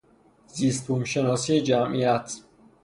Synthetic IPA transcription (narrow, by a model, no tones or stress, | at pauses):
ziːst̪ʰuːmʃenɒːsiːed͡ʒæmʔijæt̪ʰ